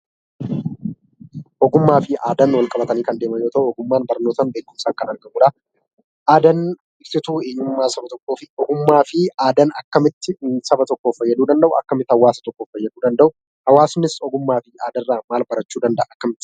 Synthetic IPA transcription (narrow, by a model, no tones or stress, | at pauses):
ʔɔɡʊmːaːfɪaːd̪ɐnwɐlkʼɐbɐt̪ɐniːkɐnd̪e̞ːmɐjoːt̪ɐʔʊɔɡʊmːaːnbɐɾnːoːt̪ɐnbe̞ːkːʊmsaːŋkɐnɐɾɡɐʔuːᶑɐ | ʔaːd̪ɐn | ɪbsɪt̪uːeːɲːɪmːaːsɐbɐt̪ɔkːoːfɪɔɡʊmːaːfɪaːd̪ɐnɐkːɐmɪt̪ːɪsɐbɐt̪ɔkːoːfɐjːɐd̪uːd̪ɐnd̪ɐʔʊɐ̰kːɐmɪt̪ɪhɐwaːsɐ̥t̪ɔkːoːfɐjːɐd̪uːd̪ɐnd̪ɐʔʊ | hɐwaːsnːɪsɔɡʊmːaːfɪaːd̪ɐrːaːmaːlbɐɾɐt͡ʃːuːd̪ɐnd̪ɐʔaɐkːɐmɪt̪ːɪ